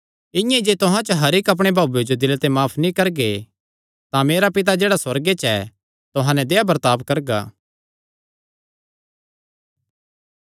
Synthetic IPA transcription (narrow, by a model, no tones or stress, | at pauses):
ɪ̃jãid͡ʒeːt̪ʊɦãt͡ʃəɦɐɾɪkɐp̬ɽ̃ebʱaːbjed͡ʒod̪ɪlt̪emaːpʰnĩkɐɾɡe | t̪ãmeːɾapɪt̪̬ad͡ʒeːɽaswɐɾɡet͡ʃɛ | t̪ʊɦãnɛd̪eːabɐɾt̪aːpkɐɾɡa̰ː